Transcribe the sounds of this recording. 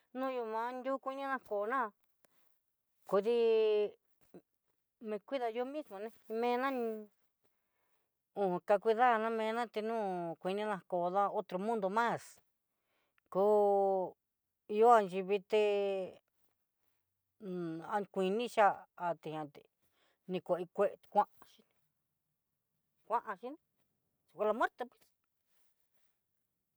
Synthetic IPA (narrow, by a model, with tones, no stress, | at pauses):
nũ˦˧ju˧mã˧˦nd̪ʲu˦kʷi˦nĩ˦nã˧ko˨nã˦˧ | ku˧ði˦ | mẽ˧kʷi˦ða˧jo˦mĩ˦smõ˧nẽ˧mẽ˦˧˦nã˦ñ˧ | ũ˧ka˧kʷi˧ða˦˧nã˦mẽ˧nã˦t̪e˧nũ˦kʷi˧nĩ˦nã˧ko˨ða˦o˦t̪ɾo˧mũ˦nd̪o˧mã˦˨s | kuː˦ | i˧jo˦a˧nt͡ʃi˧βi˧t̪e˧ | a˧kʷi˧nĩ˦t͡ʃa˦a˧t̪e˧hã˧t̪e˨ | nĩ˧kʷe˨˧˨i˧kʷe˦˧t̪kʷã˦ʔa˧ʃi˦n | kʷã˦ʔã˧ʃi˦nĩ˦ | su˨kʷa˧la˧mw̃e˦ɾt̪e˧pwi̥˦s